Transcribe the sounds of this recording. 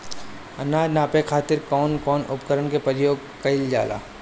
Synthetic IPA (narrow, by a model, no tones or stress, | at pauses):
ɐnaːd͡ʒnaːpekʰaːt̪ɪɾkɔːnkɔːnʊ̰pkəɾənkepəɾɪjoːɡ̚ | kɐɪld͡ʒa̰ːla̰ː